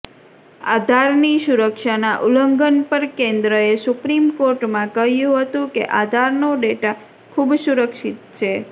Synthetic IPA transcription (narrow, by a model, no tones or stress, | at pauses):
ad̪ʱaɾnisuɾəkʃanaʔuləŋɡənpəɾkend̪ɾəesupɾimkoɾʈmãkəɦjũɦət̪ũkḛʔad̪ʱaɾnoɖeʈa | kʰubsuɾəkʃit̪t͡ʃʰe